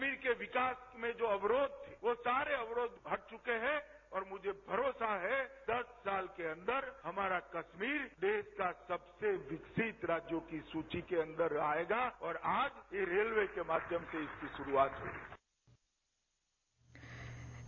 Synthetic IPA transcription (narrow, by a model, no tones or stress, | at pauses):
miːɾkeʋɪkaːsmẽd͡ʒoːɐʋɾoːd̪̚t̪ʰeʋosaːɾeɐʋɾoːd̪bʱɐɽ̚t͡ʃʊkeɦɛ̃ | ɔːɾmʊd͡ʒʱebʱɐɾoːsaɦɛd̪̥ɐsːaːlkeɐ̃nd̪əɾhɐmaːɾakɐʃmiːɾd̪eːskasɐbseʋɪksɪt̪ɾaːd͡ʒjokisuːt͡ʃikeɐ̃nd̪əɾaːeːɡaɔːɾaːd͡ʒjeɾeːlʋekemaːd̪ʱjəmseɪskiʃʊɾuaːt̪ɦo̰ːɡi